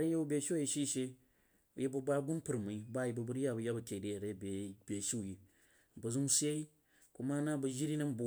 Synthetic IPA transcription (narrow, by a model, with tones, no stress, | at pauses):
ɾi˦je˦u˦be˨˦ʃi˦ji˦ʃi˦ʃe˦˨ | je˦bɐ˦˨ba˦ɡu˦npu˨ɾma˨i˦ba˦˨ji˨bɐ˨bu˦ɾja˦˨bɐ˨ja˦bɐ˨kʲe˨de˨ɾe˦˨be˨bʲe˨ʃi˦˨ji˨ | bɐ˨zu˦m˦se˦i˦ | ku˦ma˦na˦bɐ˨ʒi˦ɾi˦na˦mbu˨